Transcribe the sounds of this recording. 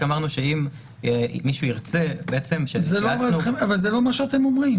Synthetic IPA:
amaʁnuʃeimː | iʃuiʁt͡sebeet͡se̞mʃezeloavaueavalzelo̞maʃeat̪e̞momʁim

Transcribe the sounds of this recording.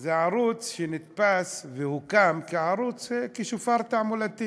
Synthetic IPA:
zeʕaɾut͡sʃenɪt̪pasvɪhukamkiʕaɾˤut͡sekiʃufɑɾˤt̪aʕmulat̪ːi

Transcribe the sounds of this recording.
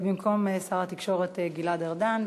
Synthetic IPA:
bimkʰo̞mesaʁat̪ikʃo̞ʁet̪eɡiladeʁdan

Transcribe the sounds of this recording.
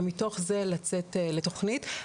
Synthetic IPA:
mito̞χze̞lat͡se̞tle̞to̞χnit

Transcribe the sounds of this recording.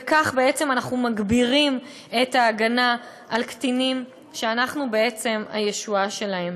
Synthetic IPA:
kaχbe̞e̞t͡se̞manaχnumaɡbiʁim | e̞taːɡana | ʔalktinim | ʃeanaχnubeet͡se̞ma̰je̞ʃuaʃe̞lahe̞m

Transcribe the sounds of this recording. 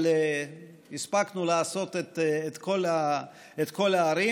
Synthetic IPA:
le | ispaknulaaso̞t̪et̪et̪kola | et̪ko̞laːɾi

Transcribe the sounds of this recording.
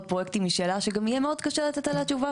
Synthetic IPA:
t̪̚pʁojekt̪imiʃeːlaʃeɡamijemeod̪kaʃeʁlat̪et̪aleat͡ʃuva

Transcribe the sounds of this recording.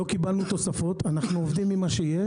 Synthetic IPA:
okibalnut̪o̞safo̞t̪anaχnuovd̪imːimaʃeje

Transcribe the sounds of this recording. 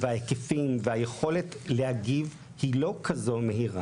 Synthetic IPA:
vehaekefimvehajeχo̞le̞tlehaɡiv | hilo̞kʰazo̞meɦiʁa

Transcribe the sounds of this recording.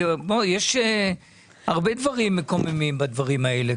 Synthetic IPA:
bojeʃe | aʁbed̪vaʁimːeko̞memimbad̪vaʁimaele

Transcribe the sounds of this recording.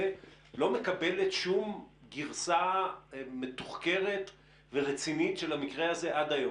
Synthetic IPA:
lo̞me̞kabe̞letʃumɡiʁsa | me̞t̪uχke̞ʁet | veʁet͡sinitʃelamikʁeaze̞ʔad̪ajo

